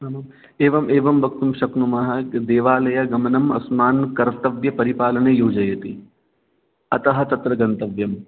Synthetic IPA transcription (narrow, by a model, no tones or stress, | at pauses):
nɐmɐm | eːʋɐmeːʋɐmbɐk̚t̪umʃɐknumɐɦɐ̆d̪eːʋaːlɐjɐɡɐmɐnɐmɐ̰smaːnkɐɾt̪ɐʋjɐpɐɾipaːlɐnejoːd͡ʒɐjɐt̪i | ɐt̪ɐɦɐ̆t̪ɐt̪ɾɐɡɐnt̪ɐʋjɐm